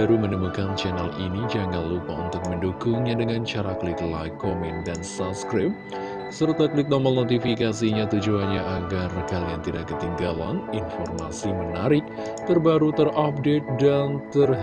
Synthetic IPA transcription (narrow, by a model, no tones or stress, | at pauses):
aɾumənəmukant͡ʃɛnalinid͡ʒaŋanlupaunt̪ʊk̚məndukʊŋɲadəŋant͡ʃaɾaklɪkla̰jkːomɛndansapskɾap̚ | sərt̪aklɪk̚doməlnot̪ifikasiɲat̪ud͡ʒuanɲaʔaɡarkaliant̪idaʔkːət̪iŋɡala̰ninfɔrmasimənaɾɪk̚ | t̪ərbaɾut̪ərap̚det̪̚dant̪ər